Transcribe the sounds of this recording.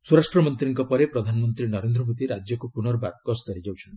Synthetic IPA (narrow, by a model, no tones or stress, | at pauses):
suɾasʈɾɔmɔnt̪ɾiŋkɔpɔɾepɾɔd̪ʱanɔmɔnt̪ɾinɔɾend̪ɾɔmod̪iɾad͡ʒjɔkupuɽ̃ɔɾɔbaɡ̚kɔsd̪ɔɾid͡ʒawt͡ʃʰɔn